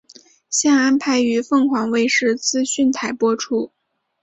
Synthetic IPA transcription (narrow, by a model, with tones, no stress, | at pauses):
ɕjɑ˥˧ŋa˥npʰa˧˥ɪy˧˥fɤ˥˩ŋxwɑ˧˥ŋwe˥˧ɪʂɻ̩˥˧t͡sɹ̩˥ɕy˥˩nt̪ʰa˧˥ɪpwɔ˥ʈ͡ʂʰu˥˩